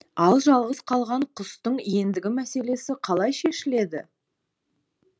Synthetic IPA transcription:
ɑlˠʒɑlˠʁəzqʰɑlˠʁɑɴqʰʊst̪əɴje̞nd̪ɪɡʲɪmæse̞le̞sɪqʰɑlˠɑjʃe̞ʃɪle̞d̪ɪ

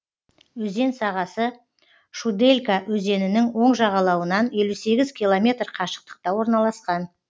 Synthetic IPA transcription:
wɵze̞nsɑʁɑsə | ʃud̪e̞lʲkawɵze̞nɪnɪŋwo̞ɴʒɑʁɑlˠɑwənɑnje̞luse̞ɡʲɪzkʲijlˠo̞mʲe̞t̪rqʰɑʃə̥q̚t̪ə̥q̚t̪ɑwo̞ɾnɑlˠɑsqɑn

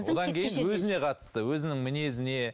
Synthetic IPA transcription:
wo̞d̪ɑŋkʲʰejjɪnwɵzɪne̞qʰɑt̪ə̥st̪əwɵzɪnɪŋmɪne̞zɪne̞

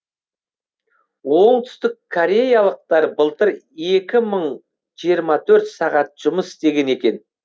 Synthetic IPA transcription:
wo̞ɴt̪ʰʏ̥st̪ɪkʰːoɾʲe̞jɑlˠəq̚t̪ɑɾbəlˠt̪əɾ | e̞kʲɪməɴ | ʒ̥ijəɾmɑt̪ʰɵɾt̪sɑʁɑt̪̚ʒ̥ʊməsɪst̪e̞ɡʲe̞ne̞kʲe̞n

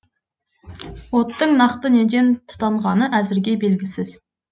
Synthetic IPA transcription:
wot̪ʰːɨŋnɑχt̪ɨned͡ʒʲent̪ʰu̥t̪ʰɑɴʁɑnɨʔæzɪɾɡʲɛbelɡʲisɪz̥

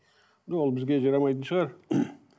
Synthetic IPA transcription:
d̪olˠbɪzɡʲe̞ʒɑɾɑmɑjt̪ənʃəʁɑɾ

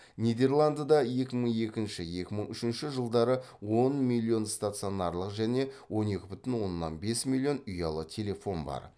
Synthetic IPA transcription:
nʲijd̪e̞rlˠand̪ad̪ɑje̞kʲɪməɴe̞kʲɪnʃɪje̞kʲɪməɴʏʃɪnʃɪʒəlˠd̪ɑɾə | wo̞nmʲilʲːio̞nst̪at̪sɨjo̞nɑɾlˠəqʒæne̞wo̞ne̞kʲɪbʏt̪ɪnwo̞nːɑ̰nbe̞smʲilʲˠːio̞nʏjɑlˠət̪ʲʰe̞le̞fo̞nbɑ̰ɾ

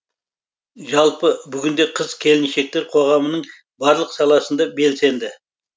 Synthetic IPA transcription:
ʒɑlˠpəbʏɡʲɪnd̪e̞qʰəzkʲʰe̞lɪnʃe̞k̚t̪e̞ɾqʰo̞ʁɑmənəɴ | bɑɾlˠəqsɑlˠɑsənd̪ɑbe̞lse̞nd̪ɪ

